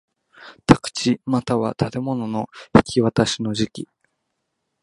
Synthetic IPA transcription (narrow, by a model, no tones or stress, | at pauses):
t̪ʰakɯ̟̥t͡ɕimat̪aβa̰t̪ʰat̪e̞mo̞no̞no̞çi̥kʲiβat̪aɕino̞ʑikʲi